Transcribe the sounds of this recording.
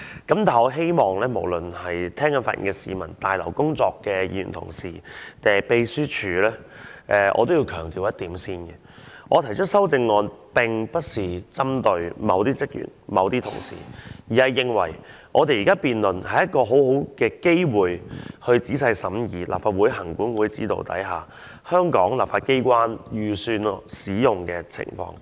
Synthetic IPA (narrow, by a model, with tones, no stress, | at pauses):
kɐ˨˥mt̪ʰaː˨˩ɔ˧ɦe˥jmɔː˨ŋlɛː˥mo˨˩wlɵ˨nhɐ˨jt̪ʰɛː˥ŋkɐ˧˥nfaː˧ʔḭ˨˩ŋkɛ˧siː˨mɐ˨˩nt̪aː˨jlɐ˨˩wkʊ˥ŋt͡sɔː˧kːɛː˧jḭ˧˨y̰˨˩nt̪ʰʊ̰˨˩ŋsiː˨˩t̪ɛː˨˩pe˧jsyː˥t͡ʃʰyː˨˧˥lɛː˥ʔɛː˧ʔɔ̰ː˧t̪o˥wji˧wkʰœː˨˩ŋt̪iː˨˧wjɐ˥t̪̚iː˨˥msiː˥nɡɛ˨ | ʔɔː˨˧t̪ʰɐ˨˩jt͡ʃʰɵ˥t̚sɐ˥wt͡sɪ˧ŋːɔː˨˧npɪ˨˩ŋpɐ˥t̚siː˨t͡sɐ˥mt̪ɵ˧ɥmɐ˨˧wt̪iː˥t͡sɪ˥k̚jy̰ː˨˩nmɐ˨˧wt̪iː˥t̪ʰʊ̰˨˩ŋsḭː˨˩jiː˨˩hɐ˨jːɪ˨˧ŋwɐ̰˨˩j | ʔɔ̰ː˨˧t̪e˨jiː˨kaː˥piː˨nlɵ˨˩nhɐ˨jɐ˥t̚kɔː˧ɦo˨˥who˨˥wkɛː˧ke˥jwuː˨jhɵ˧ɥt͡siː˨˥sɐ˧jsɐ˨˥mjiː˨˩la̰ː˨p̚faː˧t̚wu˨˥jɦɐ˨˩ŋkuː˨˥nwuː˨˧jt͡siː˨˥t̪o̰˨˧wt̪ɐ̰˨˥jɦaː˨˩ | hœː˥ŋkɔː˨˥ŋlaː˨p̚faː˧ke˥jkwaː˥njyː˨˩syː˧n˨siː˨˥jʊ˨ŋkɛː˧t͡sʰɪ̰˨˩ŋfɔ̰ː˧ŋ